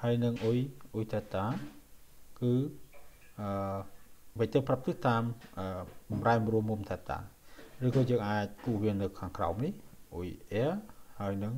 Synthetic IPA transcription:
haəjnɨŋʔujʔujt̪ʰɛːt̪aː | kɨː | ʔəː | ʋəc̚t̪ɨprap̚t̪ɨt̪aːmʔəːɓɑmraɛmruəmːumt̪ʰɛːt̪a̰ːrɨːkɑːjəːŋʔaːc̚kuːhʋiənɨwkʰaːŋkra̰ɔmnihʔṵjʔɛəhaəjnɨŋ

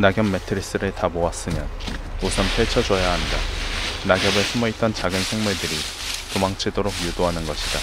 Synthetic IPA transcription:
naɡjʌmːetʰɯɾis͈ɯɾeɭtamoas͈ɯmjʌnosʰʌnpʰjeɭt͡ɕʰʌd͡ʑʌjaɦandanaɡjʌbesʰɯmʌit̚t͈ʌnt͡ɕaɡɯnsʰe̞ŋmuɭdɯɾi | tomaŋt͡ɕʰidoɾokjudoɦanɯnɡʌɕʰid̥a

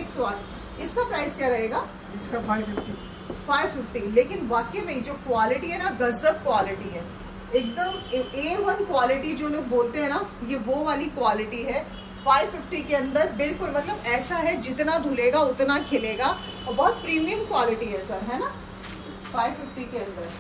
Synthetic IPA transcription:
eːksoaːn | ɪskapɾaːɪskjaɾɐɦeːɡaː | afɪfʈi | faːɪʋfɪfʈileːkɪnʋaːkemẽĩd͡ʒoːkwaːlɪʈiɦɛnaɡɐzət̪̚kwaːlɪʈiɦɛː | eːk̚d̪əmeːʋɐnkwaːlɪʈid͡ʒoːnõboːlt̪eɦɛ̃najeʋoʋaːlikwaːlɪʈiɦɛ | faːɪʋfɪfʈikeɐ̃nd̪əɾbɪlkʊlmɐt̪ləbɛːsaɦɛd͡ʒɪt̪nad̪ʱʊleːɡaʊt̪nakʰɪleːɡa | bɔɦɔt̪̚pɾiːmijə̃mkwaːlɪʈiɦɛsɐɾɦɛːna | faːɪʋfɪfʈikeɐ̃nd̪əɾ

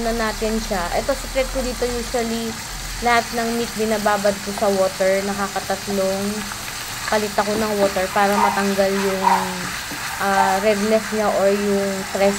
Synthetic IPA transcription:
nɐnaːt̪ɪnʃaʔɛ̰t̪osɛkɾɛt̪̚kod̪iːt̪o̞juːʃʊwɐli | lɐhat̪̚nɐŋmit̪̚bɪnaːbaːbɐd̪̚kosɐwoːt̪ɛɹnɐkaːkɐt̪ɐt̪loŋ | pɐlɪt̪akonɐŋwo̞ːt̪ɛɹpaːɾɐmɐt̪ɐŋɡaljʊŋ | ʔaɾɛd̪nɛsɲaʔoɹjʊŋst̪ɾɛs

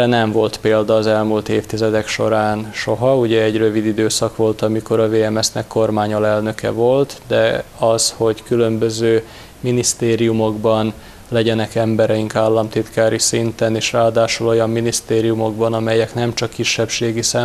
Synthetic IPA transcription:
ɛnɛɱvo̞lt̪peːld̪ɒːzɛlmult̪eːft̪izɛd̪ɛkʃo̞ɾaːnʃo̞ɦɒuɟɛːɟrø̞vid̪id̪øːsɒkʋo̞lt̪ɒmiko̞ɾɒveːɛmɛsnɛkːo̞rmaːɲolɛlnø̞kɛ̰vo̞lt̪d̪ɛɒsho̞ɟkylø̞mbøzøː | minist̪eːɾijumo̞ɡbɒn | lɛɟɛnɛkɛmbɛɾɛjiŋkaːlːɒmt̪it̪kaːɾisint̪ɛneːʃraːd̪aːʃulo̞jɒmːinist̪eːɾijumo̞ɡbɒnɒmɛjɛknɛmt͡ʃɒkːiʃːɛpʃeːɡisɛ

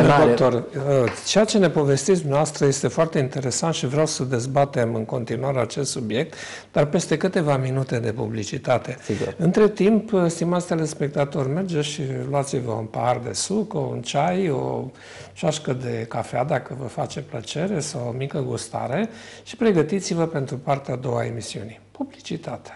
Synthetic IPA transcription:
ot̪orət͡ʃejat͡ʃe̞ne̞po̞ve̞st̪it̪s̬d̪unɛaoast̪ɾəje̞st̪e̞foart̪e̞int̪e̞ɾe̞sant̪ʃivɾeawsəd̪e̞zbat̪e̞mɨŋko̞nt̪inuaɾeat͡ʃe̞st̪subje̞k̚t̪ | d̪̥arpe̞st̪e̞kɨt̪e̞vaminut̪e̞d̪e̞pṵblit͡ʃit̪at̪e̞siɡuɨnt̪ɾe̞t̪impst̪imat̪sʲd̪elespe̞k̚t̪at̪o̞rʲme̞rd͡ʒe̞ʃiluat̪sivəṵnpaard̪e̞̰sukṵnt͡ʃajo̰ | t͡ʃaʃkəd̪e̞kafead̪akəvəfat͡ʃe̞plət͡ʃe̞ɾe̞sawomikəɡust̪a̰ɾe̞ʃi̥pɾe̞ɡət̪it̪sivəpe̞nt̪ɾupart̪eaːd̪o̞wa̰e̞misiunipublit͡ʃit̪at̪e̥

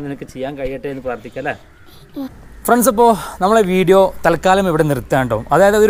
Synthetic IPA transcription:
nenɐkːɨt͡ɕejːaːnkɐɻijːiʈːeenːɨpraːrt̪ʰikʲːuɐlːe | frɐɳsip̬ːoːnɐmːɐɭeʋiːɽijo̞ːt̪ɐlkːaːlɐmeʋiɽenirt̪ːaːɳɖoːumɐðaːjɐðeoɾ

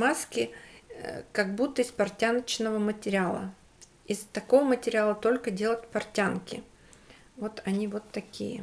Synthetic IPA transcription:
maskʲɪ | kɐɡ̚but̪ːəɪspɐrtʲanət͡ɕnəvəmətʲɪɾʲɪalˠə̰ | ɪst̪ɐko̞vəmətʲɪɾʲɪalˠət̪o̞lʲkədʲe̞lˠətʲpɐrtʲankʲɪ | vo̞t̪ʰɐnʲivo̞t̪ːɐkʲḭjə̰

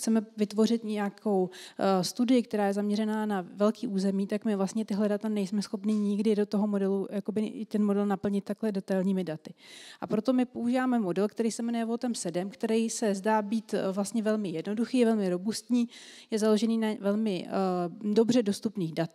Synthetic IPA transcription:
t͡sɛmɛvɪt̪vo̞r̝ɪt̪ɲɛjakʰo̞wst̪udɪɪkt̪ɛɾaːjɛzamɲɛɾɛnaːnavɛlkiːʔuːzɛmiːt̪akmɪvlast̪ɲɛt̪ɪɦlɛdat̪anɛjsmɛsxo̞pnɪɲɪɡdɪdo̞t̪o̞ɦo̞mo̞dɛlujako̞bɪt̪ɛnmo̞dɛlnapl̩ɲɪt̪ːaklɛdɛt̪ajlɲiːmɪdat̪ɪʔapɾo̞t̪o̞mɪpo̞uʒiːvaːmɛmo̞dɛlkt̪ɛɾijsɛmnɛɛvot̪ɛmsɛdɛmkt̪ɛɾɛjsɛzdaːbiːt̪vlast̪ɲɛvɛlmɪjɛdno̞duxiːvɛlmɪɾo̞bust̪ɲiːjɛzalo̞ʒɛniːnavɛlmɪ | do̞br̝ɛdo̞st̪upniːxdat̪

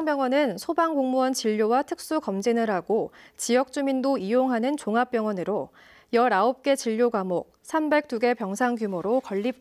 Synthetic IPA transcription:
ŋpjʌŋwʌnɯnsʰobaŋɡoŋmuwʌnt͡ɕiʎːowatʰɯk̚s͈ukʌmd͡ʑinɯɾɦaɡot͡ɕijʌk̚t͡ɕ͈umindoijoŋɦanɯnt͡ɕoŋɦap͈jʌŋwʌnɯɾo | jʌɾaop̚k͈e̞t͡ɕiʎːoɡamok̚sʰambe̞k̚t͈uɡe̞pjʌŋsʰaŋɡjumoɾokʌʎːip̚

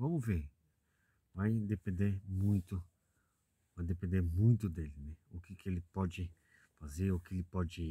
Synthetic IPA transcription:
vɐ̃mʊveɾ | vajd̪epẽnd̪eɾmũj̃t̪ʊ | vajd̪epẽnd̪eɾmũj̃t̪ʊd̪elɪnɛʊkɪkɪelɪpɔd͡ʒɪ | fazeɾʊkɪelɪpɔd͡ʒɪi

